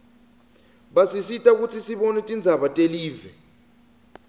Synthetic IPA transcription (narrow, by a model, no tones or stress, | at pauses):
ɓasisitʼak̬ut͡sʰisiɓɔnɛtʼind͡zʱaɓatʼeliːvɛ